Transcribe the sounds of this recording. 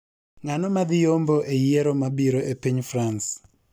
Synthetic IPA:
ŋanɔmad̪ɪjomboʔejeɾomabiɾoʔepiɲfrans

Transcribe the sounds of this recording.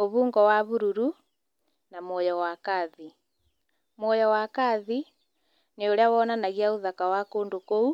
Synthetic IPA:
oβuːŋɡɔwaβuɾuɾu | namojɔwakaði | mwojɔwakaði | neoɾeawɔnanaɣiauðakawakoːndokou

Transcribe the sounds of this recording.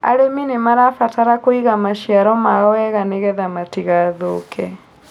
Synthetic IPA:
a̰ɾeminemaɾafataɾakoiɣamaʃiaɾɔmaɣɔwɛɣaneɣɛðamatiɣaðokʰɛ

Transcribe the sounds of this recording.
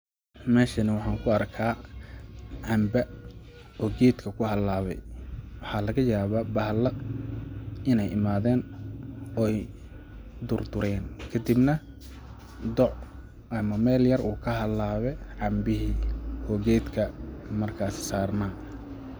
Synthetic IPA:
mɛːʃɐnɐwɑħɑːŋkʰʊɐrkʰaː | ʕɑmbɐ | ɔːɡɛːd̪kʰɐkʰʊɦɐlaːβɛ̰jwɑħɑːlɐɣɐjaːβɐbɐhlɐ | ɪnɛjʔɪmaːðɛːn | ɔːɛj | d̪ʊrd̪ʊɾɛːnkʰɐd̪ibnɐ | d̪ɔʕ | ʔɐmɐmɛːljɐrʔuːkʰɐɦɐlaːβɛʕɑmbɪɦiːɔːɡɛːd̪kʰɐmɐrkʰaːsɪ̥saːrnaː

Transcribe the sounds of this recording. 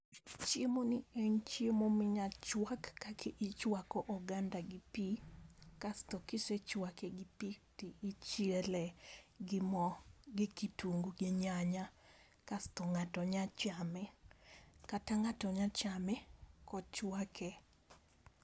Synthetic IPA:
t͡ʃemonɪɛɲt͡ʃiemomɪɲat͡ʃwakːakʰeʔɪt͡ʃwakɔʔɔɡandaɡɪpikastɔkɪset͡ʃwakɛɡɪpitɪʔɪt͡ʃelɛ | mɡɪkitoŋɡuɡɪɲaɲa | kastɔŋatɔɲat͡ʃamɛ | kataŋatɔɲat͡ʃamɛkɔt͡ʃwakʰɛ

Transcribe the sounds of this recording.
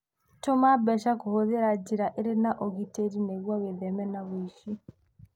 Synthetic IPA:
tomabɛʃakohoðeɾad͡ʒiɾaʔeɾenaʔoɣiteɾineɣwaweðɛmɛnaβoiʃi

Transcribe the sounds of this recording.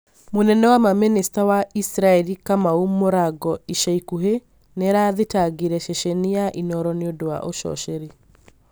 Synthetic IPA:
monɛnɛwamaministawaisɾaɛɾikamaumoɾaɡɔiʃaikuɦe | neɾaːðetaɡiɾɛʃeʃeniaʔinɔɾɔneodowa̰ʔoʃɔ̰ʃeɾe

